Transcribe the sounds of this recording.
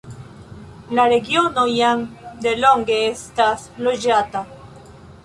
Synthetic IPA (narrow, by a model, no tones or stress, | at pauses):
laɾeɣjonojaŋd̪eloŋɡeest̪asloʒat̪a